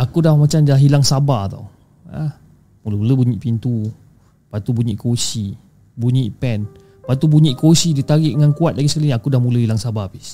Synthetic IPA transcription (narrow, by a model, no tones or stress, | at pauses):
ʔakudahmat͡ʃamd͡ʒaɦilaŋsabat̪a̰w | ə | muləuləbuɲiʔpint̪u | pat̪ubuɲiʔkosi | buɲiʔpɛn | pat̪ubuɲiʔkosidit̪aɡiʔŋankuat̪̚laɡisəkaliɲiakudahmuləɦilaŋsabapis